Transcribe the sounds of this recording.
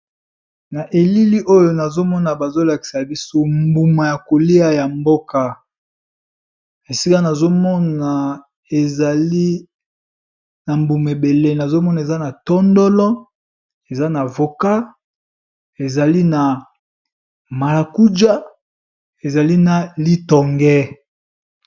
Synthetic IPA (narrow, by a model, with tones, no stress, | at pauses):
na˨ʔe˨li˦li˦ʔo˦jo˨na˨zo˦mɔ˦na˨ba˨zo˦la˨ki̥˨sa˨bi˦so˦mbu˨ma˨ja˨ko˨li˦a˦ja˨mbo˦ka˨ | e˨si˦ka˦na˨zo˦mɔ˦na˨ | e˨za˨li˦ | na˨mbu˨m˨e˨be˨le˦na˨zo˦mɔ˦na˨e˨za˦na˨tɔ˦ndo˦lɔ˦ | e˨za˦na˨vo˨ka˦ | e˨za˨li˦na˨ | ma˨la˨ku˦d͡ʒa˦ | e˨za˨li˦na˨li˦tɔ˨ŋɡɛ˦